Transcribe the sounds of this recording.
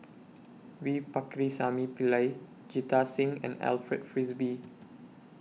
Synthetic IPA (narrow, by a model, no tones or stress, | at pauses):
wipakɾisamipilaj | d͡ʒitasĩŋɛ̰̃nɛ̰lfɹɛt̚fɹisbi